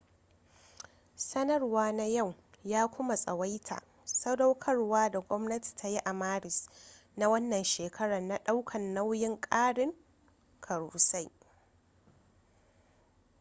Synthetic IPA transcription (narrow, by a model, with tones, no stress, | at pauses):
sɐ˦nɐ˦rwaː˦na˦ja˦˨w | jaː˦kʷʊ˦ma˨sʼɐ˨wa˦jtʰa̰ː˨ | sɐ˦da˦wkʰɐ˦rwaː˦da˨ɡʷɔ˦mnɐ˦ti̥˨tʰa˦ji˦ʔa˨maː˦ɾɪ˨s | na˦wɐ˦nːɐ˨nʃeː˨kʰɐ˦ɽa˨na˨ɗa˦wkʰɐ˨nːa˦wjɪ˦ŋkʼaː˦ɽɪ˦ŋ | kʰɐ˨ɽuː˨sa˦j